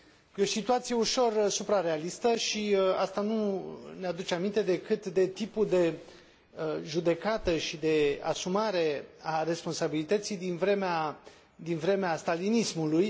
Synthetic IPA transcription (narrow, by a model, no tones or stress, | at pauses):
jo̞sit̪uat̪sije̞uʃo̞rsupɾare̞alist̪əʃiast̪anunead̪ut͡ʃeamint̪e̞d̪e̞kɨt̪d̪e̞t̪ipud̪e̞ | əʒud̪e̞kat̪əʃid̪e̞a̰sumaɾe̞are̞spo̞nsabilit̪ət̪sijd̪invɾemea | d̪invɾe̞meast̪alinismuluj